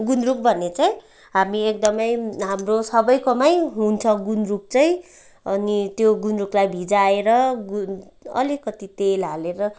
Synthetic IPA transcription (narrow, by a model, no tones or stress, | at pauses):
ɡunɾuk̚bʱʌnet͡sʌj̃ | ɦamiek̚d̪ʌmʌjɦamrosʌbʌjkʌmʌjɦunt͡sʰʌɡunruk̚t͡sʌj̃ | ʌnit̪joɡunruklajbʱid͡zaeɾʌɡu | ʌ̰likʌt̪it̪elɦaleɾʌ